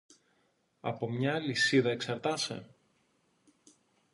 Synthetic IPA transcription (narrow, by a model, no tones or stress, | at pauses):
ɐ̰po̞mɲɐːlisiðɐe̞ksɐɾt̪ɐse̞̰